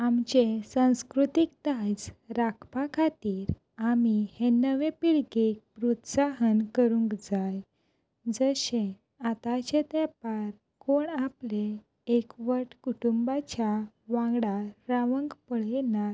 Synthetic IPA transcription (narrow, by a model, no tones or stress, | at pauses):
amt͡ɕesãw̃skɾut̪ik̚t̪ad͡zɾakʰpakʰat̪iːɾ | amihenəʋepiɭɡek̚pɾut̪saɦənkəɾũŋkd͡zaj | d͡zəɕẽ | at̪at͡ɕet̪ɛpaɾ | koɳaple | ekʋəʈkuʈumbat͡ɕa | ʋãɡɽaɾaʋəŋɡpəɭena